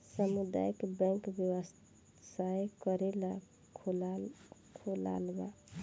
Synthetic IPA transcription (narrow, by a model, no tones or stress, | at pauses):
səmud̪a̰jkbɛ̃ŋkbjəwəs | sajkəɾela | lkʰola̰lba